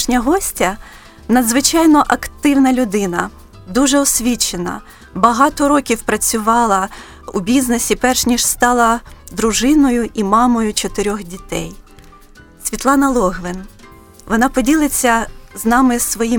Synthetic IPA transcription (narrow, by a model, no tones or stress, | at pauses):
ʃnʲɐɦɔsʲtʲɐ | nɐd̪zʋɪt͡ʃɑjnɔʔɐkt̪ɪwnɐlʲʊd̪ɪnɐ | d̪uʒɛɔsʲʋʲit͡ʃenɐ̰ | bɐɦɑt̪ɔɾɔkʲiwpɾɐt͡sʲʊʋɑlˠɐ | ṵbʲiznesʲipɛrʃnʲiʃst̪ɑlˠɐd̪ɾʊʒɪnɔjʊʔimɑmɔjʊt͡ʃɔt̪ɪɾʲɔxdʲit̪ɛ̰j | sʲʋʲit̪lˠɑnɐlˠɔɦʋɪn | ʋɔnɑpɔdʲilˠɪt͡sʲːɐznɑmɪsʋɔji